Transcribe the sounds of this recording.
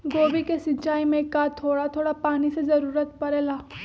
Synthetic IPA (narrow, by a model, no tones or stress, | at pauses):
ɡoʋikesit͡ʃaimẽkat̪ʰːoɽat̪ʰoɽapaɽ̃it͡sed͡zəɾuːɾət̪pəɾɛla